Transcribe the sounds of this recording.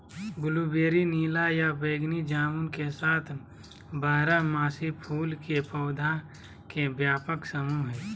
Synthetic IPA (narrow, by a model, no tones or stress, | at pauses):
ɡʊlubeːɾiniːlajabeːɡnid͡ʒaːmunkesaːt̪ʰ | baːɦɾamaːsipʰuːlkepəːd̪ʱa | kebjaːpəksəmuɦɛː